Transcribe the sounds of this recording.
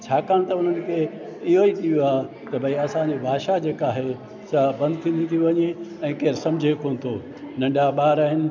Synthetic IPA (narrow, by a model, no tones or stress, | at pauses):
t͡ɕʰaːkaːɽ̃t̪ɐʊn̤ənɪ̆kʰeː | ɪɦoit̪ʰijoaːɦ | t̪ɐbʱɐiɐsãɲd͡ʑebʱaːʃad͡ʑeːkaːɦe | sabɐ̃nd̪̚t̪ʰĩːn̆d̪it̪ʰijũʋɐɲeɛ̃ːkeːɾsɐ̃md͡ʑʱekoːnɪ̆t̪ʰoː | nɐ̃ɳɖaɓaːɾaːɦɪnɪ̆